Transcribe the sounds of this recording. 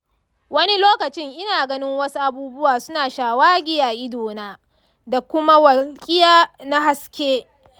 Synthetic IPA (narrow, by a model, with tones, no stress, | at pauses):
wɐ˦ni˦loː˦kɐ˨t͡ʃɪ˦ŋʔɪ˦naː˨ɡɐ˦nɪ˦ŋwɐ˦su˦ʔa˦buː˦bʊ˦waː˨sʊ˦naː˨ʃaː˨waː˦ɡʲɪ˦jaː˨ʔɪ˦doː˨naː˦ | da˨kʷʊ˦ma˦wɐ˨kʲʼɪ˦jaː˦na˦ɦa˦skʲeː˦